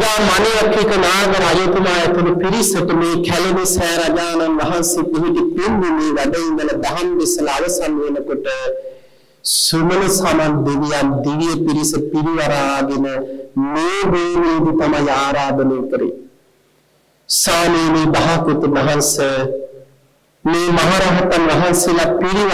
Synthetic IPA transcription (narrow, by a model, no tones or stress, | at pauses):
jaːmanijakʰikənaːɡɐɾajut̪umaːjet̪umupiɾisəʈəmeːkʰæleʋisɛːɾad͡ʒaːnanʋaɦansepiɦiʈipend̪imeːʋæɖejiŋɡ̪ɐlɐd̪aɦandesɐlaʋəsanʋenəkoʈə | sumələsamand̪iʋijand̪iʋijəpiɾisəpiɾiʋaɾaːɡenəmeːɾeːneːd̪it̪amajaːɾaːd̪əneːkəɾḛ | saːmeːmeːbaɦakut̪umɐɦansə | meːmaɦaɾaɦɐt̪anʋɐɦanselapiɾi